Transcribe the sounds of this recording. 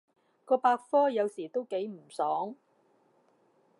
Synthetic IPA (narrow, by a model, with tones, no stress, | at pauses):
kɔː˧paː˧k̚fɔː˥jɐ˨˧wsiː˨˩t̪o˥wke˨˥jm̩˨˩sɔː˨˥ŋ